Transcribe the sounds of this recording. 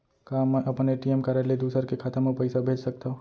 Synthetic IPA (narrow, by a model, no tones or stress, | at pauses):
kaːmːɛ̃ʔɐpneʈiːmkaːɾalid̪uːsəɾkekʰaːt̪əmopɐɪsabʱeːd͡ʒsɐk̚t̪aɦõ